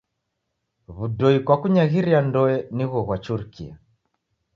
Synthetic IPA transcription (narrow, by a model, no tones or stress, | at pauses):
βudɔikwakuɲaɣiɾiandɔɛniɣɔɣwat͡ʃuɾkḭa̰